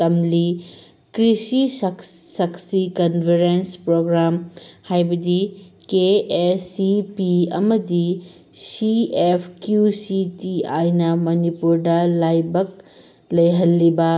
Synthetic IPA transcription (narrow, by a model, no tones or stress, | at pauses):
tɐmli | kɾisissɐksikɐnbʰʱeɾenspɾoɡɾamhajbɐdikeesipiɐ̰mɐdi | siepʰkjusitiajnɐmɐnipuɾdɐlajbɐk̚ | lɐjɦɐlːibɐ